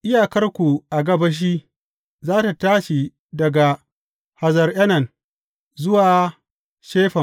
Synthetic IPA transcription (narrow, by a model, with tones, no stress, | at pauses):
ʔɪ˦jaː˨kɐ˦rkʷu˨ʔa˨ɡɐ˨bɐ˦ʃ̬iː˦ | zaː˦ta˨taː˦ʃi˨ | dɐ˨ɡa˨ | ha˨zɐ˨rʔɐ˦nɐ˨n | zʊ˦waː˨ | ʃeː˦ɸɐ˨